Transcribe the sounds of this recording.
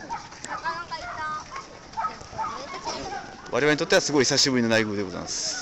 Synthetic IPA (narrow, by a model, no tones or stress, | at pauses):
kit̪ːa | βʔa̰ɾe̞aɾɲit̪ot̪ːeasɨɡo̞içsaɕibɯ̟ɾino̞naiɡɯːd̪eɡo̞za̰masɨ̥